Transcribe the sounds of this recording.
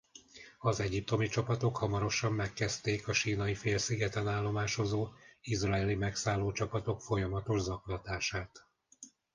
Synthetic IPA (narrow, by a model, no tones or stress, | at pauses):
ɒzɛɟip̚t̪o̞mit͡ʃɒpɒt̪o̞khɒmɒɾo̞ʃɒmːɛkːɛst̪eːkɒʃiːnɒifeːlsiɡɛt̪ɛnaːlːo̞maːʃo̞zoːizrɒɛlimɛksaːlːoːt͡ʃɒpɒt̪o̞kfo̞jɒmɒt̪o̞ʒzɒklɒt̪aːʃaːt̪